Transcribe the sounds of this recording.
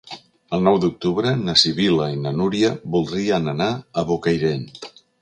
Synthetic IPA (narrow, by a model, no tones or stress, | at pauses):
əlˠnɔwd̪uk̚t̪uβɾənəsiβiləinənuɾjəβulˠd̪ɾiənənaəβokəjɾent̪